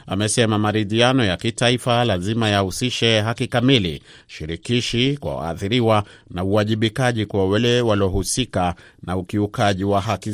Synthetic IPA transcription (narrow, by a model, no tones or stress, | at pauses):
amɛsɛmamaɾiðianɔjakitaifalazimajahusiʃɛɦakikamilḭ | ʃiɾikiʃikwa̰wa̰ːθiɾiwa | nauaʄiɓikaʄikuawalɛwalɔɦusika | naukiukaʄiwaɦaki